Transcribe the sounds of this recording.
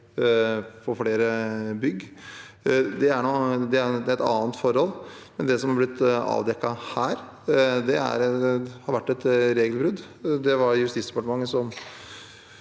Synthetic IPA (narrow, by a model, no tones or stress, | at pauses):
fɔɾfɽeːɾəbʏɡ | d̪ɛæɳɔd̪ɛæɾd̪ɛt̪ɑ̰ːnt̪fɔɾhɔlːmɛnd̪ɛsɔmhɑɾblɪt̪ːɑ̰ːʋd̪ɛkːɑhæːɾ | d̪ɛæ̰ɾhɑɾʋæʈːɛt̪ɾeːɡəlbɾʉd̪ | d̪ɛʋɑɾjʉst̪iːsd̪ɛpɑʈəmɑŋːəsɔm